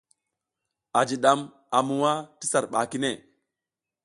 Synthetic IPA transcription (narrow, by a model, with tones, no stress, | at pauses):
a˨d͡ʒi˨ɗa˨m | a˨mu˨wa˦ti˦sa˨ɾɓa̰˨ki˦ne˦˨